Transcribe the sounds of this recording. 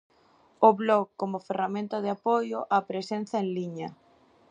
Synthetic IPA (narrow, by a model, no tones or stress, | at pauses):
oβlokkːomʊferamẽnt̪ɐðɪapojʊʔapɾesen̟θɐeŋliɲɐ